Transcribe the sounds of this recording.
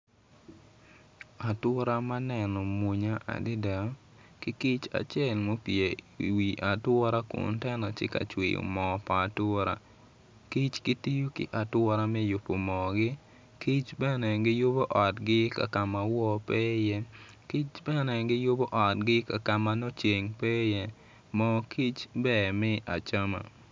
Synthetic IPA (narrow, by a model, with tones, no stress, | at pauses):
a˨twɔ˦ɾa˦ma˦nɛ˨nɔ˨mu˨ɲa˦ʔa̰˨dɪ˦da˨˦ | kɪ˦ki˦t͡ʃa̰˨t͡ʃɛ˦˨lmo˦pje˨i˨wi˨ʔa˨twɔ˦ɾa˦kʊ̰˨ntɛ˦nɔ˨t͡ʃɪ̰˦ka̰˨t͡ʃwḭ˨o̰˨mɔ˨paː˨tɔ˦ɾa̰˦ | ki˦t͡ʃɡɪ˦ti˦jo˦kɪ̰˦ʔa˨twɔ˦ɾa˦mɛ˦jʊ˨pːo˨mɔ˨ɡɪ˦ | ki˦t͡ʃbɛ˦nɛ˨ɡɪ˦jʊ˦bo˦ʔɔ˨tɡɪ˦ka̰˨ka˨ma˨wɔ˦pɛ˦jɛ˦ | ki˦t͡ʃbɛ˦nɛ˨ɡɪ˦jʊ˦bo˦ʔɔ˨t̚ɡɪ˦ka˨ka˨ma˨no˦t͡ʃe˨ŋpɛ˦jɛ˦ | mɔ˨ki˦t͡ʃbɛ˨mɛ˦ʔa˨t͡ʃa˦ma̰˨